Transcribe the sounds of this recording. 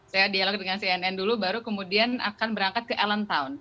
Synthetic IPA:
sajadialɔk̚dəŋansiɛnɛndulubaɾukəmudiana̰kanbəɾaŋkat̪̚kəʔalənt̪aʊn

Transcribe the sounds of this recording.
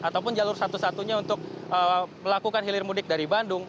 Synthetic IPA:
ʔat̪awp̬ʊnd͡ʒalʊrsat̪usat̪uɲaunt̪ʊk̚əməlakukanɦilɪrmudɪk̚daɾibandʊŋ

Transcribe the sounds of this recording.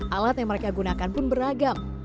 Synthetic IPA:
ʔalat̪̚jaŋməɾekaɡunakanpʊnbəɾaɡam

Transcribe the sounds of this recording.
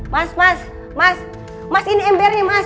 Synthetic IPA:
masmas | mas | masinɛɛmbɛrɲɛmas

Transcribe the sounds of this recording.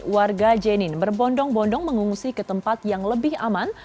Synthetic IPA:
warɡad͡ʒɛnɪnbərbɔndɔŋbɔndɔŋməŋuŋusikət̪əmpat̪̚jaŋləbɪhaman

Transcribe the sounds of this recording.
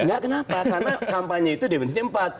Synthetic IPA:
ŋɡaʔkənapakarnakampaɲait̪udibənsiɲəmpat̪̚

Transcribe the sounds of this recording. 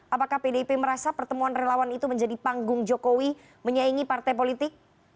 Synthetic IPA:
ʔapakahpedepeməɾasapərt̪əmuanrelawanit̪uməɲd͡ʒadipaŋɡʊŋd͡ʒokowi | məɲaiŋipart̪ajp̬olit̪ɪk̚

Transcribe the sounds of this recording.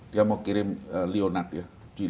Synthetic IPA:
d̥iamokiɾɪmlionat̪̚ja | d͡ʒ̥ui

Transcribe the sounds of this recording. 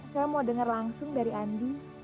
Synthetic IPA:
samodəŋərlaŋsʊŋdaɾiandi

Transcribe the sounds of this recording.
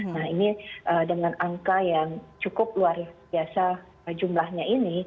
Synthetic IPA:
nahiniʔədəŋanaŋkajaŋt͡ʃukʊp̚luarbiasa | d͡ʒumlahɲaini

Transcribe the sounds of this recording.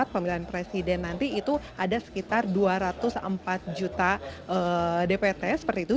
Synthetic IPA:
at̪̚pəmilanpɾesidɛnːant̪iːt̪uadasə̥kit̪arduaɾat̪ʊsə̰mpat̪̚d͡ʒut̪aʔədepet̪ɛsə̥pərt̪iːt̪u

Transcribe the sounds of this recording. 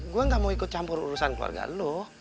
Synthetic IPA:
ɡuaŋɡamawikʊt̪̚t͡ʃampʊɾuɾusanklua̰rɡa̰lɔh

